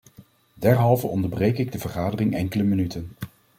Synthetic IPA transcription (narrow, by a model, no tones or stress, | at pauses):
dɛɹɦɑlˠvəɔndəɹbrejkɪɡ̚dəvəɹχaːdərɪŋʔɛŋkələmənytʰən